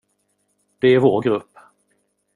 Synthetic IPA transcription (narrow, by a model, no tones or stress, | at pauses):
d̪̥ɛæɾvoːɾɡɾɵpː